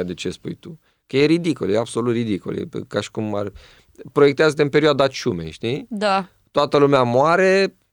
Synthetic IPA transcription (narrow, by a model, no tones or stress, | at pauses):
d̪et͡ʃe̞spujt̪u | kəje̞ɾid̪ikoljeabso̞lut̪rid̪iko̰ljḛkaʃi̥kuma̰rʲ | pɾojekt̪eazət̪eɨmpe̞ɾioad̪at͡ʃumḛʃt̪id̪a | t̪oat̪əlumeamoaɾe̞